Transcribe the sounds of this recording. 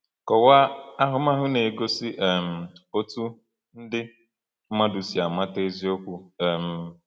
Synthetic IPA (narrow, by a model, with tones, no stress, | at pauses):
kɔ˨wa˦a˦ɦʊ˨m̩˦a˦ɦʊ˦ne˨ɡo˦si˦ʔɛ˨m̩˨o˦tu˦ | n̩˦dɪ˦ | ma˦du˨si˨a˨ma˦te˦zi˦o˦kʷu˦ɛ˨m̩˨